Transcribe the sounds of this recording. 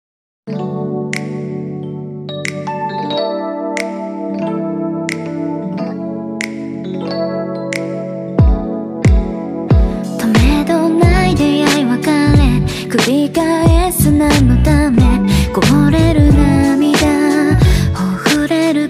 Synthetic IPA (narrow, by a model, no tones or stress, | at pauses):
t̪ʰomed̪onaid̪ejaiβakaɾe | kɯ̟ɾʲikaesɨnamɯt̪amekoɦoɾeɾɯ̟namʲid̪a | ohɯɾeɾɯ